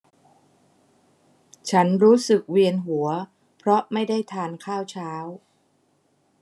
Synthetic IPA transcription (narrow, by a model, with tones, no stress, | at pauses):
t͡ɕʰa˦˥nɾuː˦˥sɯ˨˩k̚wi˧ənɦu˩˦ɐ | pʰɾɔ˦˥ma˥˩jda˥˩jt̪ʰaː˧nkʰaː˥˩wt͡ɕʰaː˦˥w